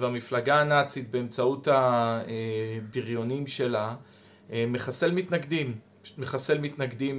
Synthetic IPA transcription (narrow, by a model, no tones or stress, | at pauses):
vamiflaɡaːnat͡sit̪̚beemt͡sautaebiʁjo̞nimʃe̞la | emeχase̞lmit̪naɡd̪imː | eχase̞lmit̪naɡd̪im